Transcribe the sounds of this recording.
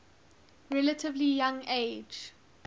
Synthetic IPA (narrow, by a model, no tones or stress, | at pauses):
ɹɛlətʰɪvlijãŋeːd͡ʒ